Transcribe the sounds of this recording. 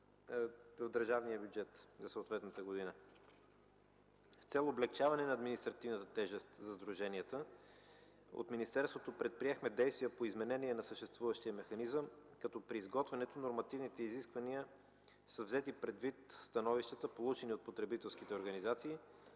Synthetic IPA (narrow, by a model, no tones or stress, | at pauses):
vəvd̪əɾʒavnijəbʲjud͡ʒɛt̪zɐsəoːt̪vɛt̪nət̪əɡod̪inə | st̪sɛlˠoblɛk̚t͡ʃavɐnɛnɐːd̪minist̪ɾɐt̪ivnət̪ət̪ɛʒɛst̪zɐzd̪ɾuʒɛniət̪ə | o̰t̪minist̪ɛɾst̪vot̪opɾɛt̪̚pɾiɛxmɛd̪ɛjst̪vijəpoizmɛnɛniɛnɐsəʃt̪ɛst̪vuvəʃt̪iəmɛxɐnizəmkɐt̪ɔpɾiːzɡɔt̪vɛnɛt̪onoɾmɐt̪ivnit̪ɛiziskvɐniə | səvzɛt̪ipɾɛd̪vit̪st̪ɐnɔviʃt̪ət̪əpolˠut͡ʃɛniot̪̚pot̪ɾɛbit̪ɛlˠsk̟it̪ɛoɾɡɐnizat̪siː